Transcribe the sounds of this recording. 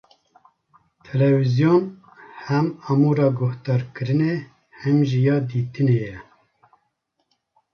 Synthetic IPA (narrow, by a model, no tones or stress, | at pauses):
t̪ʰɛlɛvizijon | hɛmɑmuːɾɑːɡoht̪ɑːɾkɨɾɨne | hɛmʒijɑːd̪iːt̪ɨneːjɛ